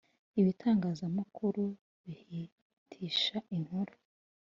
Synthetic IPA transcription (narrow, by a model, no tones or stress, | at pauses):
iβitʰaːŋɡaːzamukʰuɾu | βihi | tʰiːʃaʔiŋ̥huɾu̥